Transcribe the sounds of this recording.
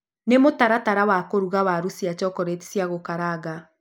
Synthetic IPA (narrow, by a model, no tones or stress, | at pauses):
nemotaɾataɾawakoɾuɣawaɾusiat͡ʃɔkɔɾeti̥sjaɣokaɾaɣa